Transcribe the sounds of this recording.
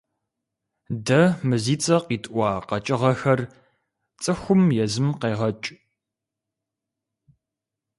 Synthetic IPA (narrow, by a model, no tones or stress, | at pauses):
dɐmɨziːt͡sʼɐqiːtʰʼʔʷɑːqɐt͡ʃʼɪʁɐxɐr | t͡sʼɨxʷʊmjɛzɨmqeːʁɐt͡ʃʼ